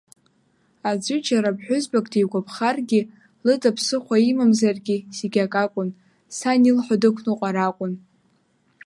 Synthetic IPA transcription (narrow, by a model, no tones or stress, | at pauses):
ad͡zʷʊt͡ʃʰʼaɾapħʷᶣʊzbakʼtʰijɡʷapʰχarɡʲi | lɨtʼapʰsɨχʷaimamzarɡʲiseɡʲakʼakʷʼʊn | sanilħʷadɨkʷʰnɨqʷʼaɾakʷʼʊn